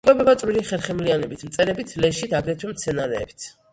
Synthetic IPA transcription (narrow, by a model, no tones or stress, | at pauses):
kʰʼwɛbɛbat̪sʼwiliχɛɾχɛmlianɛbit̪ʰmt̪sʼɛɾɛbit̪ʰlɛʃid̪aɡɾɛt̪ʰwɛmt̪sʰɛnaɾɛːbit̪ʰ